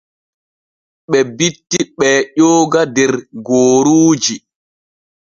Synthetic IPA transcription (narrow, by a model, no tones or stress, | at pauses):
ɓɛbitːiɓɛːʄoːɡadɛɾɡoːɾuːd͡ʒi